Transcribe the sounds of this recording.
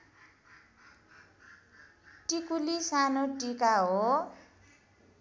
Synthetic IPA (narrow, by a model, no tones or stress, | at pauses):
ʈikulisanoʈikaɦo